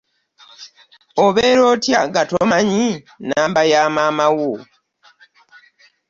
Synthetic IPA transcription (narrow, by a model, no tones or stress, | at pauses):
oβeːɾo̞ːtjaɡatomaɲi | naːmbajaːmaːmawo